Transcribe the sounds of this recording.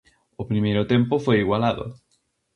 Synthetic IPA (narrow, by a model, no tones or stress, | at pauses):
ʊpɾimejɾʊt̪empofojiɣwalaðʊ̰